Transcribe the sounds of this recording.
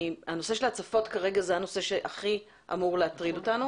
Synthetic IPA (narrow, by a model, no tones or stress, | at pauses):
ano̞se̞ʃe̞lhat͡safo̞tkaʁe̞ɡazeano̞se̞ʃe̞ʔaχi | ʔa̰muʁleat̪ʁidotanu